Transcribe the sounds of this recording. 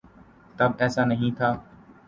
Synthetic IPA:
t̪əbɛːsaːnəɦĩːt̪ʰaː

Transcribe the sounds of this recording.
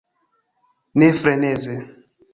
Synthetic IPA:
nefɾɛnɛze

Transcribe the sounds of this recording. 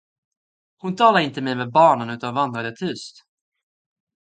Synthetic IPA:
hʊnt̪ʰɑːlaɾɪnt̪əmɛjmɛbɑːɳənʉ̟ːt̪anvand̪ɾad̪ɛt̪ʰʉst̪

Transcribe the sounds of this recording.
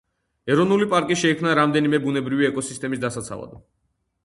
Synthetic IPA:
ɛɾɔnulipʼaɾkʼiʃɛikʰmnaɾamd̪ɛnimɛbunɛbɾiviɛkʼɔsist̪ʼɛmisd̪asat̪sʰa̰va̰d̪

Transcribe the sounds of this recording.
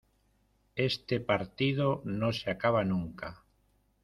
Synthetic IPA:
est̪epaɾt̪ið̞onõseakaβ̞anũŋka

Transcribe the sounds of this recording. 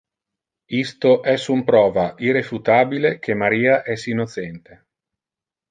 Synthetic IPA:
ist̪oʔɛsumpɾɔːvaʔirefut̪aːbilekʰemːaɾiːaʔɛsinːot̪sɛnt̪e

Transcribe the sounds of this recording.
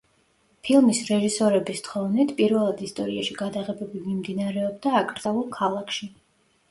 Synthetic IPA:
pʰilˠmisɾɛʒisɔɾɛbist̪ʰχɔvnit̪ʰpʼiɾvɛlˠad̪ist̪ʼɔɾiaʃiɡad̪aʁɛbɛbimimd̪inaɾɛɔb̚d̪aːkʼɾd̪zaulˠkʰalˠakʰʃi

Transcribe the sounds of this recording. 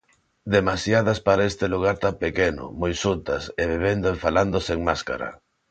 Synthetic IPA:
d̪emasjaðaspaɾaest̪eluɣ̞aɾt̪ampekenʊ̰mojsunt̪ɐseβeβ̞end̪oefaland̪oseŋmaska̰ɾɐ̰

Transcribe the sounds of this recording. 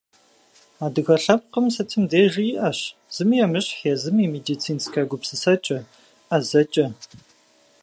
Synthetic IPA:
aːdɨɣɐɬɐp̚qəmsɐtʰɨmdeːʒijʔɐɕz̥ɨmjɛmɨɕʼħeːzɨmiːmeːdiːt͡sʰiːnskʰaɡʷʊpsɨsɐt͡ʃʼɐ | ʔɐzɐt͡ʃʼɐ

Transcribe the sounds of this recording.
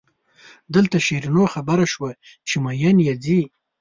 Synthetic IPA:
d̪əlt̪aʃeɾinoxabaɾaʃwa | t͡ʃemajanjazi

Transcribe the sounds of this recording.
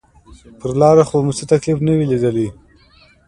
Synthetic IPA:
pəɾlɑɾaxomut͡sət̪aklifnəwilid̪əli

